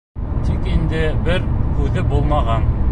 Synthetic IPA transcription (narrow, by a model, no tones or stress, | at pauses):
t̪ikind̪ɘbɘɾkʉðɘbulˠmɑʁɑn